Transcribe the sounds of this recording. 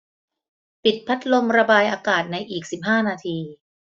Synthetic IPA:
pi˨˩t̪̚pʰa˦˥t̪̚lo˧mɾa˧baː˧jʔaː˧kaː˨˩t̪̚na˧jʔiː˨˩k̚si˨˩p̚ɦaː˥˩naː˧t̪ʰiː˧

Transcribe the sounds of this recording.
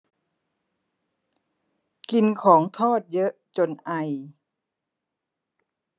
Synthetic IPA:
ki˧nkʰɔː˩˦ŋt̪ʰɔː˥˩t̪̚jɤ˦˥ʔt͡ɕo˧nʔa˧j

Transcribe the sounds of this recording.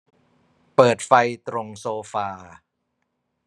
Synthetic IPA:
pɤː˨˩t̪̚fa˧jt̪ɾo˧ŋsoː˧faː˧

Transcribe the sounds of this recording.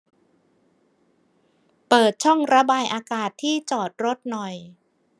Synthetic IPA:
pɤː˨˩t̪̚t͡ɕʰɔ˥˩ŋɾa˧baː˧jʔaː˧kaː˨˩t̪ʰːiː˥˩t͡ɕɔː˨˩t̪̚ɾo˦˥t̪̚nɔ˨˩j

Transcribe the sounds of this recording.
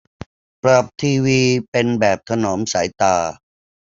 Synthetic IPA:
pɾa˨˩p̚t̪ʰiː˧wiː˧pe˧nbɛː˨˩p̚t̪ʰa˧noː˩˦msaː˩˦jt̪aː˧

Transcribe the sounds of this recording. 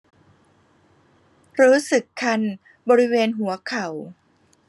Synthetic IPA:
ɾuː˦˥sɯ˨˩kʰːa˧n | bɔː˧ɾi˦˥weː˧nɦu˩˦ɐkʰa˨˩˦w

